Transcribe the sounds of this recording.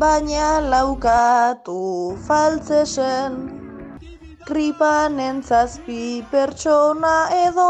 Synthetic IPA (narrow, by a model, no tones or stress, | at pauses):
baɲalawkat̪ufalt͡sesen | kɾipanent͡saspipe̞ɾt͡ʃonaeðo